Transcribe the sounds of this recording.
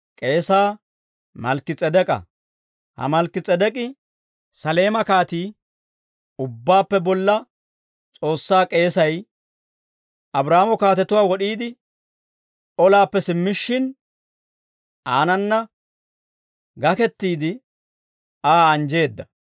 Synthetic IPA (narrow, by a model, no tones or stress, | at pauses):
kʼe̞ːsaː | mɐlkɪt͡sʼɛd̪ɛkʼɐ̰ | hɐ̰mɐlkːɪt͡sʼːɛd̪ɛkʼɪ | sɐle̞ːmɐkaːt̪iː | ʊbːaːpːɛbɔlːɐ | t͡sʼo̞ːsːaːkʼe̞ːsɐj | ʔɐbɾaːmɔkaːt̪ɛt̪ʊwaːwɔɗiːd̪ɪ | ʔɔlaːpːɛsɪmːɪʃːɪn | ʔaːnɐnːɐ | ɡɐkɛt̪ːiːd̪ɪ | aːɐnd͡ʒe̞ːd̪ːɐ